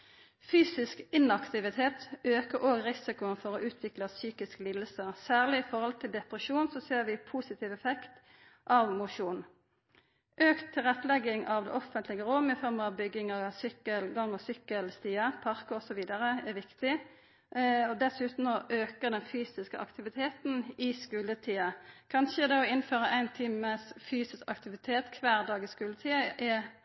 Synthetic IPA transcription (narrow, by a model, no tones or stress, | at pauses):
fyːsɪskɪnɑkt̪ɪʋɪt̪ʰeːt̪øːkəɾʔoːɡʁɪsɪkʊənfɔʁoːʔʉːt̪ʰʋɪklɑsyːkɪskəliːd̪əlsəʁsæːʁlɪɪfɔɾɔlt̪ʰɪld̪ɛpʁəʃuːnsɔseːʁʋɪpʰuːsɪt̪ʰiːʋɛfɛkt̪ | ʔɑʋmʊʂuːn | ʔøːkt̪ʰːɪlʁɛt̪ːlɛɡɪŋʔɑʋd̪ɛ̰ːʔɔfənt̪lɪɡəʁomɪfɔʁməɑʋbʏɡːɪŋɑʋsʏkːəlɡɑŋːɔsʏkːəlst̪iːəpʰɑʁkɔsɔʋiːd̪əɾəɛʋɪkt̪ɪ | ɔd̪ɛsʉːt̪n̩ɔʔøːkəd̪ɛnfyːsɪskəʔɑ̰kt̪ɪʋɪt̪ʰeːt̪n̩ɪskʉːlət̪ʰiːəkʰɑnʃəd̪ɛɔɪnføːʁəʔæɪnt̪ʰiːməsfyːsɪskɑkt̪ɪʋɪt̪ʰeːt̪kʰʋæːʁd̪ɑːɡɪskʉːlət̪ʰiːəʔɛ